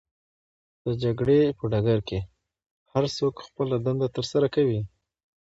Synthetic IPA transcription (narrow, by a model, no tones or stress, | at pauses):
d̪̥əd͡ʒaɡɽepəɖaɡaɾke | haɾsokxpəlad̪and̪at̪əɾsaɾakawi